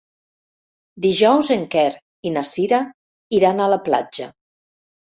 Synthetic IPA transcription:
d̪iʒɔwzeŋkɛɾ | inasiɾa | iɾanələpla̰d͡ʒə

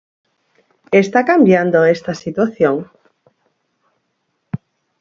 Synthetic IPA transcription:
est̪akambjand̪oest̪asit̪waθjoŋ

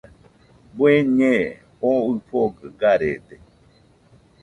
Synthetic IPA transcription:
bweɲẽ | oɨɸoɡɨɡaɾed̪e

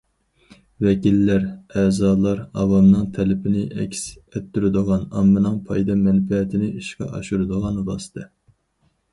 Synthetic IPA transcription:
vɛkʲilːæɾɛːzɑːlˠɑɾɑwɑmnɨŋt̪ʰɛlɪpʰɪnɪʔɛ̰kʲsɛt̪ːyɾɪd̪ɨʁɑnɑmːɨnɨŋpʰɑjd̪ɑmɛnfɛt̪ʰɪnɪiʃqɑ̰ʔɑ̰ʃuɾɨd̪ɨʁɑnvɑsɨ̥t̪ʰɑ

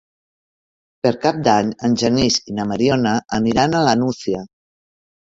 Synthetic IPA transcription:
pəɾkap̚d̪aɲənʲʒənizinəməɾionəʔəniɾanələnusiə

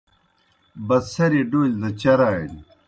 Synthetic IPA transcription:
bɐssɐɾiɖoːlʲd̪ɐt͡ɕɐɾaːini

